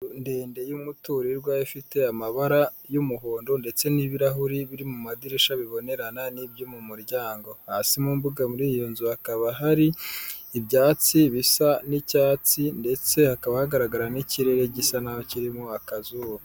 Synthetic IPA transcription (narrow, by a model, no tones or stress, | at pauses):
ndeːnde̞jumutuɾiɾɡwajafite̞amaβaɾajumuɦoːndonde̞t͡se̞niβiɾaɦuɾiβiɾimumadiɾiʃaβiβo̞ne̞ɾananibjomumuɾɟaːŋɡo̞hasimumbuɡamuɾijonzuhakaβaɦaɾiːbɟaːt͡siβisanicaːt͡sinde̞t͡se̞hakaβahaɡaɾaɡaɾaniciɾe̞ɾe̞ɟisanajociɾimuakazuβa